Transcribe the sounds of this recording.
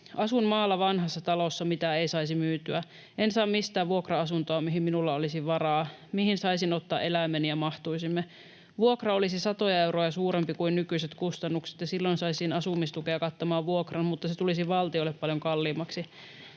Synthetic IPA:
ʔɑsunmɑːlːɑʋɑnɦɑsːɑt̪ɑlosːɑmit̪æeisɑisimyːt̪yæ | ʔensɑːmmist̪æːʋʋuokrɑɑsunt̪oɑmiɦimminulːɑolisiʋʋɑɾɑːmihinsɑisinot̪ːɑːʔe̞læmenijɑmɑht̪uisimːe | ʋuokrɑo̞lisisɑt̪ojɑe̞wɾojɑsuːɾempikuinnykyiset̪kust̪ɑnːukse̥t̪jɑsilːonsɑisinɑsumist̪ukeɑkɑt̪ːomɑːʋʋuokrɑnmut̪ːɑset̪ulisiʋɑlt̪iolːeppɑljoŋkɑlːiːmːɑksi

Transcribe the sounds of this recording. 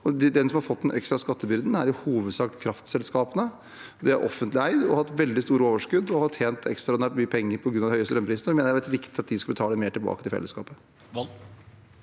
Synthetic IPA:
ɔd̪ɛd̪ɛnsɔmhɑɾfɔt̪ːɛnʔɛkst̪ɾɑskɑt̪ʰːəbʏɾd̪n̩æɾɪhuːʋəd̪sɑkt̪kʰɾɑft̪sɛlskɑːpənə | d̪ɛæ̰ɾʔɔ̰fːənt̪lɪæɪd̪ɔhɑt̪ːʋɛld̪ɪst̪uːɾəoːʋəʂkʉd̪ːɔhɑt̪ʰeːnt̪ʰɛkst̪ɾɑd̪næʈmyːəpʰɛŋːəɾpʰɔɡɾʉnɑʋ̪ɪhœʏəst̪əœmpɾiːsnəɔʋɪmeːnəjæʋɛlɪɾɪkt̪ɪɑt̪̚d̪ɪskɑlbət̪ʰɑːləmeːʈɪlbɑ̰ːkət̪ɪlfɛ̰lːəskɑ̰ːpə

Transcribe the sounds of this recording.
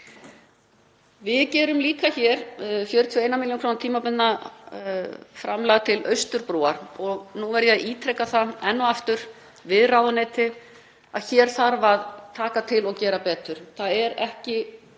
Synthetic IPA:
vɪðcɛːɾʏmliːkaçɛɾ̥fjœːɾɪt̪ʰœeːjnamɪljonkɾoːwnt̪ʰiːmapʏnna | fɾamlaːɣt̪ʰɪlœɥst̪ʏɾpɾɔːaɾ̥ɔɣnuvɛɾjɛaðiːt̪ʰɾɛkːaθaɛnːɔaft̪ʏɾ̥ | vɪðraːwðɪneːjt̪ɪ | a̰ðçɛːɾ̥θaɾvaðt̪ʰaːkat̪ʰɪlɔɣcɛːɾapɛːt̪ʏɾ̥θaðɛɾɛ̰hcɪ

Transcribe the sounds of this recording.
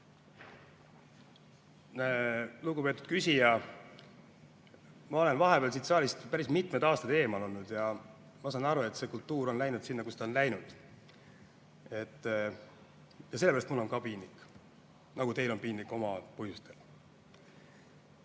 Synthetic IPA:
lukɡupe̞ːt̪ːˑud̪̥kysʲijɑ | mɑo̞le̞nvɑɦe̞peɑːls̬it̪sɑːlʲist̪pæɾismit̪ˑmed̪ɑːst̪ɑd̪e̞ːmɑlo̞lnud̪̥jɑ | mɑs̬ɑnɑɾue̞t̪se̞ːkult̪ːuːɾo̞nlæjnud̪̥sinːɑkust̪ɑonlæjnud̪̥ | e̞t̪ː | jɑse̞leæɾɑst̪mulːo̞nkɑpiːnːikː | nɑɡ̥ut̪e̞jlo̞npiːnːikːˑo̞mɑpɤhjust̪el

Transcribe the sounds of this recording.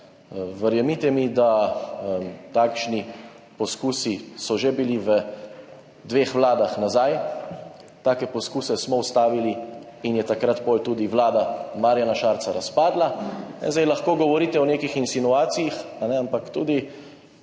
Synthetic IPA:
ʋəɾjɛmit̪ɛmid̪a | t̪aːkʃni | pɔskuːsisɔʒebiliʋə | d̪ʋeːxʋlaːd̪axnazaj | t̪aːkɛpɔskuːsɛsmɔust̪aːʋili | injɛt̪akɾat̪polt̪uːd̪iʋlaːd̪amaːɾijanaʃaːɾt̪saɾaspaːd̪lanɛ̰zd̪ajlaxkoːɡɔʋɔɾiːt̪ɛɔneːkixinsinuaːt̪sijixanɛampakt̪uːd̪i

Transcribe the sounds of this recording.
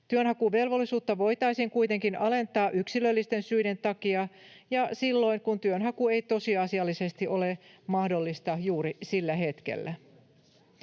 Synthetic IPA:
t̪yønhɑkuʋe̞lʋo̞lːisuːt̪ːɑʋo̞it̪ɑisiŋkujt̪e̞ŋkinɑle̞nt̪ɑːʔyksilølːist̪e̞nsyide̞nt̪ɑkiɑjɑsilːo̞iŋkunt̪yønɦɑkue̞jt̪o̞siɑːsiɑlːise̞st̪iʔo̞lemɑhdolːist̪ɑjuːɾisilːæɦe̞t̪kḛlːæ

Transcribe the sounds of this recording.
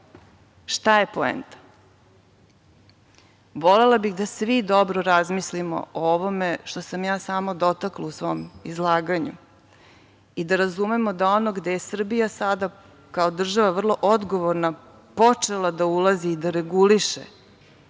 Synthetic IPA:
ʃt̪aje̞poḛnt̪ḁ | ʋole̞labixd̪asʋid̪o̞bɾoɾazmislimo̰ooʋo̞meʃt̪o̞samjaːsaːmo̞d̪o̞t̪aklausʋo̞mizlˠaːɡaɲu | id̪aɾazume̞mod̪ao̞noɡd̪e̞jesr̩bijasad̪a | kao̞d̪r̩ʒaʋavr̩lˠo̞ʔod̪ɡo̞ʋoɾna | po̞t͡ʂe̞lˠad̪aulaziːd̪aɾeɡuliʃḛ

